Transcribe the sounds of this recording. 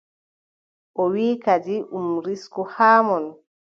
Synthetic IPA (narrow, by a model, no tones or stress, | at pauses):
ʔɔwiːkad͡ʒiʔumɾiskɔhaːmɔn